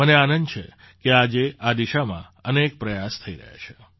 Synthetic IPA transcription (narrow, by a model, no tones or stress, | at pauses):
əneanənd̪t͡ʃʰe | kead͡ʒeʔad̪iʃamã̰ | ənek̚pɾəjast̪ʰəiɾə̰ɦja̰t͡ʃʰe̥